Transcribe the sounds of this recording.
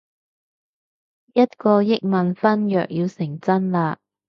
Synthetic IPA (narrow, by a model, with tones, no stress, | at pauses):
jɐ˥t̚kɔː˧jɪ˥k̚mɐ˨nfɐ˥njœ̰ː˨k̚jiː˧wsɪ˨˩ŋt͡sɐ˥nlaː˧